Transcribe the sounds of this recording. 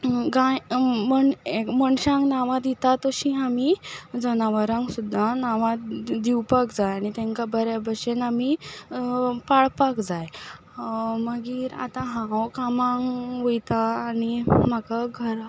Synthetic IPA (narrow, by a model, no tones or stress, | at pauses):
ɡãjməɳeməɳɕãŋknaʋãd̪it̪at̪ɔɕĩamid͡zənaʋəɾãŋksud̪ʱːanaʋãd̪iwpakd͡zajaɽ̃it̪ɛ̃ŋkabʱəɾjabʱəɕenami | paɭpakd͡zaj | məɡiːɾa̰t̪ãɦãwkamãŋʋojt̪aːnim̤akaɡʱəɾ